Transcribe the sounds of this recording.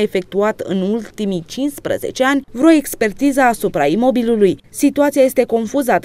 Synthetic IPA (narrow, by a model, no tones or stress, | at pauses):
e̞fe̞k̚t̪uat̪ɨ̰nult̪imit͡ʃinspɾə̰ze̞̰t͡ʃe̞anʲvɾoe̞kspe̞rt̪izəːsupɾaimo̞bilulujsit̪uat̪siaje̞st̪e̞ko̞nfuzəat̪